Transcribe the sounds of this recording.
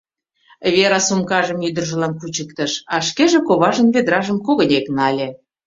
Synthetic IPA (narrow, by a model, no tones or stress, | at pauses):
βeɾɑsumkɑʒəmyd̪ərʒə̆lɑnkut͡ɕəkt̪ə̆ʃɑʃkeʒĕkoβɑʒə̆nβed̪ɾɑʒəmkoɣənʲeknɑlʲe